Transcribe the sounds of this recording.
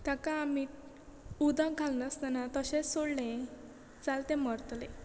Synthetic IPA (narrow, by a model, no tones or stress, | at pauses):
t̪akãːmit̪̚ | ud̪ʱə̃ɡʱalnəst̪anat̪əɕesoɽlẽ | t͡salt̪ẽməɾt̪lẽ